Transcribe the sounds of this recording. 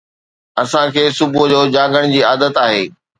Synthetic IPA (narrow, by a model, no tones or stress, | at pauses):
ɐsãkʰeːsʊbʊd͡ʑoːd͡ʑaːɡəɽ̃d͡ʑiːaːd̪ət̪aːɦeː